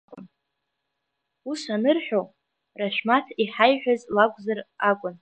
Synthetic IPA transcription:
ʊ̰n | usanɨrħʷᶣo | raʃʷᶣmatʰiħajħᶣazlakʷʼzarakʷʼʊn

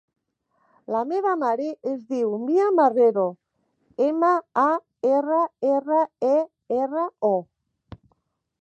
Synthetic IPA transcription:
lameβ̞amaɾeʔezðiwmiamareɾo | emaa | eraerae | erao

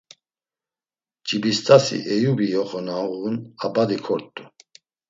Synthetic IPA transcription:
d͡ʒibist̪ʼasḭʔɛjubijɔχɔnauʁunabad̪ikʰɔɾt̪ʼːu

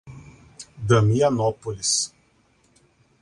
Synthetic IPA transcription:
d̪ɐmijanɔpolʲis

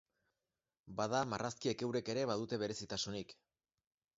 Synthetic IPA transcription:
bað̞amarʔaskie̞ke̞wɾe̞ke̞ɾe̞βað̞ut̪e̞β̞e̞ɾe̞sit̪asunik

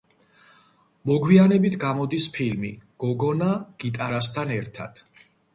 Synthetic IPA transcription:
mɔɡwianɛbit̪ʰɡamɔd̪ispʰilmḭɡ̥ɔɡɔnaɡ̥it̪ʼaɾast̪ʰanɛɾt̪ʰa̰d̪̥

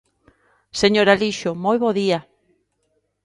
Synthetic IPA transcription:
seɲoɾaliʃomojβoðia

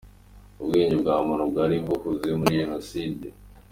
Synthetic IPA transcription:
ubɡiːɲɟibɡaːmonobɡaːɾimɡokuzimuɾiʒenoside

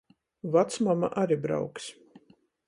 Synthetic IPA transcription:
vat̪smama̰ʔaɾibɾa̰wks

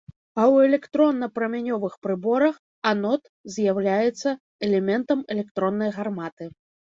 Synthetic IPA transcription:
ɐwɛlʲɛkt̪ɾɔnːɐpɾɐmʲanʲɔvɨxpɾɨbɔɾɐx | anɔt̪ | zʲjawlʲajɛt̪sːɐ | ɛlʲɛmʲɛnt̪ɐmɛlʲɛkt̪ɾɔnːɐjɣarmat̪ɨ

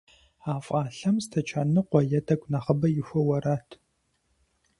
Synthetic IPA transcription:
aːfʼaːɬɐmstʰɐt͡ʃʰaːnɨqʷɔjɐtʰʼɐkʷnaχɐbɐjɪxʷɔwɐɾaːtʰ

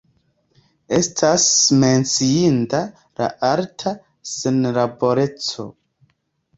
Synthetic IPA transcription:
e̞stʰasme̞nt͡siinta | la̰ʔaɾtʰa | senlabo̞ɾe̞t͡so̞̰

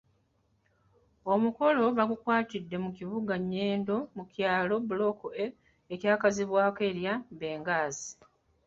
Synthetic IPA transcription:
o̞muko̞lo̞βaɡukwaːtidːe̞muciβuɡaɲːeːndo̞mukjaːlo̞bulo̞koe | ecjaːkaziβwaːkeɾjambe̞ːŋɡaːzi

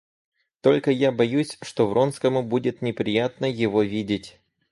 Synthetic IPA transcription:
t̪o̞lʲkəjabɐjusʲʂt̪o̞vro̞nskəmʊbudʲɪt̪nʲɪpɾʲɪjat̪nəjɪvo̞vʲidʲɪtʲ

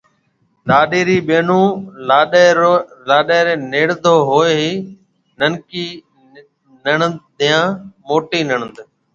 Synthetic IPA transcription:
laːɗeːɾiːɓeːnũːlaːɗeːɾlaːɗeːɾeːneːɽd̪ʱoːɦoːeːɦiː | nənkiː | nəɳəd̪ɪjãːmoːʈiːnəɳənd̪

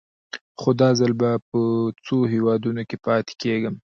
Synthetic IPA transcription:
xod̪ɑzəlbapət͡soɦewɑd̪unokepɑt̪e̥keɡəm

